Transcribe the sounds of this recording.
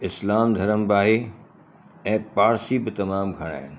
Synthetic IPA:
ɪslaːmd̪ʱɐɾəmbɪaːɦe | ɛ̃ːpaːɾsibɪt̪ɐmaːmɡʱɐɽ̃a̰ːɦɪnɪ̆

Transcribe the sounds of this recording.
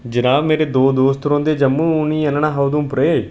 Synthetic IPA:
d͡ʒənaːʋmeːɾeːd̪oːd̪oːst̪ɾõːd̪eːd͡ʒəmːũːʊnĩːənəɳãːɦəwd̪ũːpɾeː

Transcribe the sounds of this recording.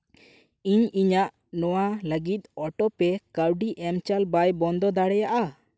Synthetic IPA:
iɲiɲaʔ | nɔwaləɡit̪̚ˀɔʈɔpɛkəwɖiʔɛmt͡ʃalbajbɔnd̪ɔd̪aɽɛjaʔa

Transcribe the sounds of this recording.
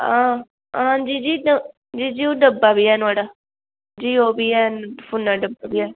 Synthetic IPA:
ã | ãːd͡ʒiːd͡ʒiː | d͡ʒiːd͡ʒiːoɖəbaːbiːɦɛːnʊaːɖaː | d͡ʒiːoːbiːɛːpʰʊnaːɖəbaːbiːɛː

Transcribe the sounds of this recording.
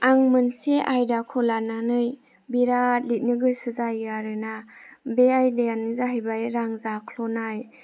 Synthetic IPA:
aŋmɯnseʔajdakʰɔlananɯj | biɾat̚lit̚nɯɡɯsɯzajaɾɯnabeajdeanɯzaɦajbajɾaŋzakʰlɔnaj

